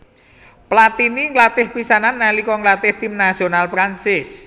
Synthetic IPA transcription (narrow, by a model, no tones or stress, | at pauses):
plat̪iniŋlat̪ɪhpisananːalikɔŋlat̪ɪht̪imnasionalpɾant͡ʃɪs